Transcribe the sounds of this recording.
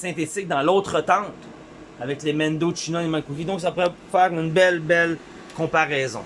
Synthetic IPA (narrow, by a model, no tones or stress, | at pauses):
sɛ̃t̪et͡sɪk̚d̪ɑ̃lot̪χət̪ɑ̃t̪ | avɛklemɛ̃nd̪oʃinɔimãkukʲid̪ɔ̃ks̬apuʁɛfɛːʁynbɛlbɛl | kɔ̃paʁɛːzɔ̰̃